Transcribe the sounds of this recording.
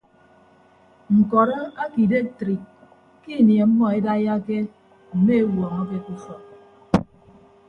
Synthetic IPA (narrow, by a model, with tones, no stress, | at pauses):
ŋ̩˨kɔ˨ɾɔ˦a˦ki˨de˦tɾi˨k̚ | ki˦˨nje˨m̩˦mɔ˦e˦da˦ja˦ke˦ | m̩˨me˦e˦wɔ˨a˨mɔ˦k̬e˦ku˦fɔ˨